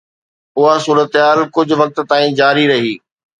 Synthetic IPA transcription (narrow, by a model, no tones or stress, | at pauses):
ʊɦasuːɾət̪ɪɦaːlkʊd͡ʑʱʊ̆ʋɐk̚t̪t̪aːĩd͡ʑaːɾiɾɐɦiː